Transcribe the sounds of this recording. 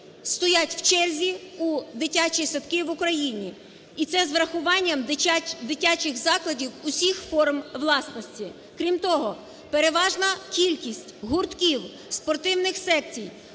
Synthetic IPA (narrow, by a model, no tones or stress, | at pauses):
st̪ɔjatʲw̥t͡ʃɛlʲzʲiud̪ɪtʲat͡ʃisɔt̪kɪʋʊkɾɐjinʲi | it̪sɛzʋɾɐxʊʋɑnʲːɐmd̪ɪtʲat͡ʃɪxzɑklˠɐdʲiwʊsʲixfɔrmʋlˠɑsnɔsʲtʲi | kɾʲimt̪ɔɦɔ | peɾeʋɑʒnɐkʲilʲkʲisʲtʲɦʊrt̪kʲiw | spɔrt̪ɪwnɪxsɛkt͡sʲij